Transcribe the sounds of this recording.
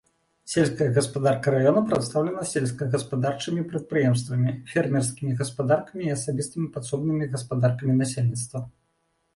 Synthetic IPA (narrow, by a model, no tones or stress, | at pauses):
sʲelʲskɐjɐɣɐspad̪arkɐɾajɔnɐpɾat̪st̪awlʲɛnɐsʲelʲskɐɣɐspad̪art͡ʂɨmʲipɾɐt̪̚pɾɨjɛms̬t̪vɐmʲifʲɛrmʲɛrskʲimʲiɣɐspad̪arkɐmʲiiɐsabʲist̪ɨmʲipat̪sɔbnɨmʲiɣɐspad̪arkɐmʲinasʲelʲnʲit̪st̪vɐ